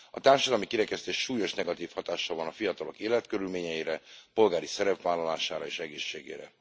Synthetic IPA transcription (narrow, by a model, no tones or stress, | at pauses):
ɒt̪aːrʃɒd̪ɒlmikiɾɛkɛst̪eːʃːuːjo̞ʃnɛɡɒt̪iːfhɒt̪aːʃːɒvɒnɒfijɒt̪ɒlo̞keːlɛt̪køɾylmeːɲɛiɾɛpo̞lɡaːɾisɛɾɛpʋaːlːɒlaːʃaːɾɒeːʃɛɡeːʃːeːɡḛːɾɛ̰